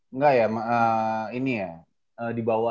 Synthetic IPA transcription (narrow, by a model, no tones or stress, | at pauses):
ŋɡajamaʔəinija | əːdibawa